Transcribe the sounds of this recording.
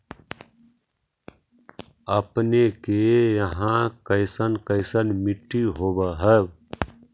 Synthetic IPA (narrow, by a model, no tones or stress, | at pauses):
əpnekejəɦãkəɪsənkəɪsənmɪʈːiɦoːbəɦɛb